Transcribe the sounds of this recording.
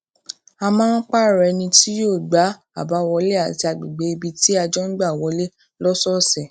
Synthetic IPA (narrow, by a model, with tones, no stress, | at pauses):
a˧mãː˦n̩˦k͡pa˦˨ɾɛ˨˧nĩ˧ti˦joː˦˨ɡ͡ba˨˦ | a˦˨ba˨˦˨wɔ˧le˦a˦˨ti˧a˧ɡ͡bi˨ɡ͡be˨˦i˧bi˧ti˦a˧d͡ʒɔ˦n̩˦ɡ͡ba˦˨wɔ˧˦le˦ | lɔ˦sɔ˦sɛ˨